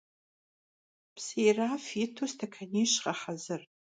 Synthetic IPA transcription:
pʰsejrafitʰustʰakʰaniʃqaħazɨrʼ

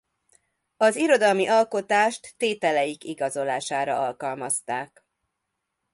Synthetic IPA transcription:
ɒziɾo̞d̪ɒlmiʔɒlko̞t̪aːʃt̪ːeːt̪ɛlɛjikiɡɒzo̞laːʃaːɾɒɒlkɒlmɒst̪aːk

